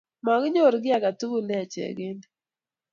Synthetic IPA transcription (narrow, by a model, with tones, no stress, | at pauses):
ma˨ɡɲo˦˨ɾɡɪ˦a˨ɡa˨tu˦ɡu˦lɛ˦˨t͡ʃɛ̰˨ɡɪ˦n